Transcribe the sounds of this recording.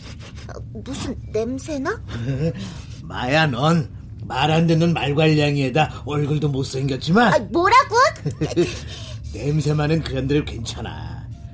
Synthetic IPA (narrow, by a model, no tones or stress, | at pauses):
ʌ̰musʰɯnːemsʰena | ma̰janʌn | maɾandenʌnmaɭɡwaʎːaŋiedaʌɭɡɯɭdomos͈ɯiŋɡjʌt̚t͡ɕ͈imanmoɾaɡu | nemsʰemanɯnkɯɾʌndɯɾɯɭkwent͡ɕʰana̰